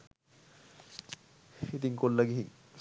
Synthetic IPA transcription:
hit̪iŋkollːaɡiɦi

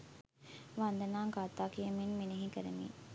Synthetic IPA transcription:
ʋand̪ɐnaːŋɡat̪aːkijɐminmeneɦikəɾḛmḭː

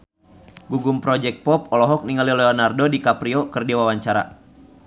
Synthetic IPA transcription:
ɡuɡumpɾɔd͡ʒɛk̚t̪̚pɔp̚ɔlɔɦɔk̚niŋalilɛɔnardodikapɾiɔkɨrdiawawaɲt͡ʃaɾa̰

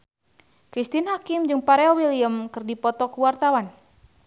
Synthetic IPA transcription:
kɾist̪inɦakimd͡ʒɨŋpaɾɛɔwiliəmkɨrdipɔt̪ɔkuwart̪awan

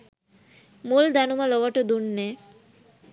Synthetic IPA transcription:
muld̪ænuməloʋəʈəd̪unːeː

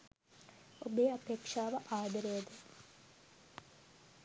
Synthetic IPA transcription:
obeːɐpeːkʂaːʋəʔaːd̪əɾejəd̪ə

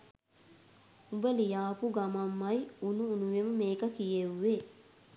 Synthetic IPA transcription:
ubɐlijaːpuɡɐmɐmːɐjunuːnuʋemɐmeːkɐkijewːe

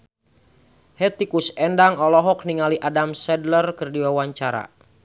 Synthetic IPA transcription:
hɛt̪ikusɛndaŋɔlɔɦɔk̚niŋaliʔadamsɛdlərkərdiwawaɲt͡ʃaɾa̰

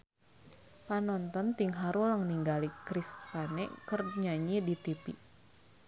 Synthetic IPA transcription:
panɔnt̪ɔnt̪iŋɦaɾulaŋniŋɡalikɾispanɛkərɲaɲidit̪ipḭ

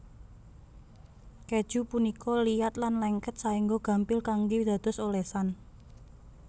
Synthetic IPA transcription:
ked̥ʒ̥ṳpunikɔlijat̪̚lanlɛŋkət̪̚saiŋɡoɡ̥ä̤mpɪlkaŋɡed̪̥a̤d̪̥ɔ̤solesan

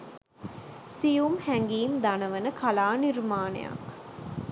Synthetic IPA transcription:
sijumhæŋɡiːmd̪anəʋənəkʰalaːnirmaːnḛja̰k

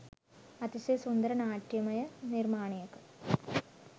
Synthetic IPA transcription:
ɐt̪isesund̪ɐɾɐnaːʈːjɐmɐjɐnirmaːɳɐjɐkːɐ

